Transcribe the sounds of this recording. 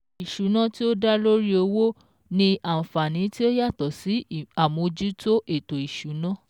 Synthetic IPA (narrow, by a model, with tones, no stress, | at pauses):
i˨ʃu˨˦nã˦ti˦o˦da˦lo˦ɾi˦o˧wo˦ | nĩ˧ã˨fa˨nĩ˨˦ti˦o˦ja˦˨tɔ˨si˨˦a˨mõ˧d͡ʒu˦to˦ʔe˨to˨i˨ʃu˨˦nã˦